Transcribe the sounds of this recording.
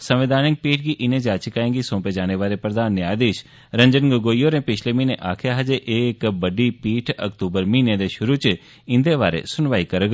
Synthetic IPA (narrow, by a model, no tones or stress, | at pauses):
sɐ̃mʋɪd̪ʱaːnɪk̚piːʈʰɡiʔɪnẽd͡ʒaːt͡ʃɪkaːẽŋɡisõːped͡ʒaːneʋaːɾepɾəd̪ʱaːnːaːd̪eːʃ | ɾɐ̃ɲd͡ʒənɡəɡoːijoɾẽːpɪt͡ʃʰlemiːneʔaːkʰjaɦɐd͡ʒeʔeːkbɐɖipiːʈʰɐ̰kt̪uːbəɾmiːned̪eʃʊɾut͡ʃ | ɪ̃nd̪eʋaːɾḛsʊnʋaːikɐɾɡ